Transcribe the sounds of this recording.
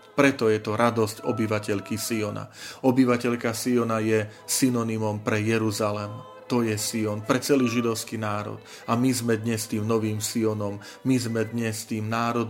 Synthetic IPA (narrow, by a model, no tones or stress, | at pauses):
pɾɛt̪ɔjɛt̪ɔɾad̪ɔscɔ̰biʋacɛʎkisiɔna̰ɔbiʋacɛʎkasiɔnajɛ | sinɔnimɔmpɾɛjɛɾuzalɛm | t̪ɔjɛsiɔnpɾɛt͡sɛliːʒid̪ɔʊskinaːɾɔ̰t̪ | amizmɛd̪ɲɛst̪iːmnɔʋiːmsiɔnɔmː | izmɛd̪ɲɛst̪iːmnaːɾɔd̪